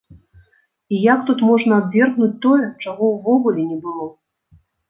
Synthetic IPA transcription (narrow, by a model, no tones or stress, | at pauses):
ijak̚t̪ut̪mɔʐnɐabvʲɛrɣnut͡s̚ʲt̪ɔjɛt͡ʂaɣɔwvɔɣulʲɛnʲɛbɨlˠɔ